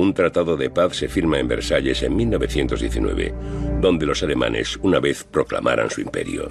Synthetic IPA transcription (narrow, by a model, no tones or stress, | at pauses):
unt̪ɾat̪aðoðepaθse̞fiɾmaembe̞̰ɾsaʎe̞se̞mmilno̞βe̞θje̞nt̪o̞zðjeθinwe̞̰βe̞̰d̪o̞nd̪e̞lo̞sale̞mã̰nʔe̞̰sunaβe̞θpɾo̞kla̰mʔa̰ɾa̰nsuimpe̞̰ɾjo̰